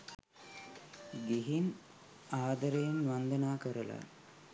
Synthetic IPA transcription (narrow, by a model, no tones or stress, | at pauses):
ɡiɦin | aːd̪ɐɾejenʋand̪ənaːkəɾəla̰